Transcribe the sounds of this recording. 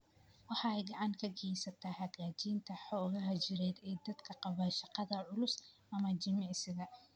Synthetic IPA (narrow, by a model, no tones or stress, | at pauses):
wɑħɑɛjɡɑʕɑŋkʰɐɡɛjsɐt̪ʰaːhɐɣaːt͡ʃiːnt̪ʰɐħɔːɣɐɦɐd͡ʒɪɾɛːd̪ɛːd̪ɐd̪kʰɐqɑβɐːʃɑqɑðɐʕʊlʊsʔɐmɐt͡ʃɪmɛʕsɪɣɐ